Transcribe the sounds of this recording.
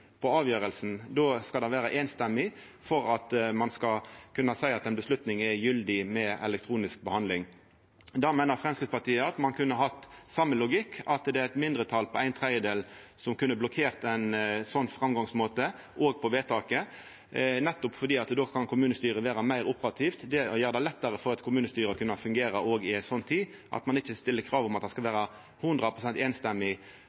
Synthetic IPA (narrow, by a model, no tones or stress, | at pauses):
pʰɔɑːʋjøːɾəlsn̩d̪oːskɑld̪ɑɪʋæːɾəʔeːnst̪ɛmːɪ | fɔɾɑt̪mɑnskɑkʰʉnːɑsæɪɑt̪æɪnbəslʉt̪nɪŋɛjʏld̪ɪmɛɛ̰lɛk̚t̪ʰʁuːnɪsk̚bəhɑnd̪lɪŋ | d̪ɑmæɪnəʁfʁɛmskɾɪt̪spɑt̪iːəɑt̪mɑnkʰʉnːəɦɑt̪sɑmːəlʊɡɪkːɑt̪d̪ɛæɛt̪mɪnd̪ʁət̪ʰɑlpʰɔæɪnt̪ʰʁæɪəd̪eːl | sɔmkʉnːəblʊkʰeːʁt̪æɪnsɔnːfɾɑmɡɑŋsmoːt̪ə | ʔoːɡpʰɔʋeːt̪ʰɑːkə | nɛt̪ːʊpfɔd̪iːɑt̪d̪oːkʰɑnkʊmʉːnəst̪yːɾəʋeːɾɑmæɪɾʊpəʁɑt̪ʰiːft̪d̪ɛɔjøːʁəd̪æɪlɛt̪ːəɾəfɔɾɑt̪kʰʊmʉːnəst̪yːɾəkʰʉnːɑfʉŋɡeːɾəʔoːɡɪæɪt̪sɔnːt̪ʰiː | ʔɑ̰t̪mɑnɪçːəst̪ɪlːəkʰɾɑːʋɔmɑt̪̚d̪ɛskɑlʋæːɾɑ | hʉnd̪ʁɑpʰʁʊsɛnt̪eːnst̪ɛmːɪ